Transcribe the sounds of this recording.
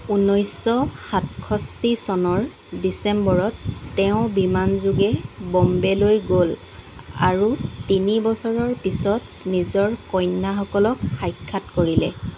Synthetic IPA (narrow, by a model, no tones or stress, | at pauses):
unɔjsɔxatkʰɔstisɔnɔɹ | disɛmbɔɹɔtːɛʊ̃bimanzuɡɛbɔmbɛlojɡol | a̰ɹutinibɔsɔɹɔɹpisɔt | nizɔɹkɔjnːaxɔkɔlɔkxajkʰːatkoɹilɛ̰